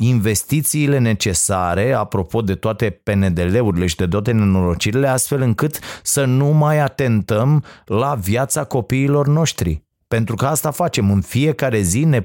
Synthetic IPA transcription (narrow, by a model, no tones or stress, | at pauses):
inve̞st̪it̪siːle̞ne̞t͡ʃe̞saɾe̞apɾo̞po̞d̪e̞t̪oat̪e̞pe̞ne̞d̪e̞le̞uɾile̞ʃid̪e̞t̪oat̪̬e̞nenolo̞d͡ʒiɾile̞ast̪fe̞lɨŋkɨt̪sənumajat̪e̞nt̪əmlavjat̪sako̞piːlo̞rno̞ʃt̪ɾḭ | pe̞nt̪ɾukəast̪afat͡ʃe̞mɨnfie̞kaɾe̞zine̞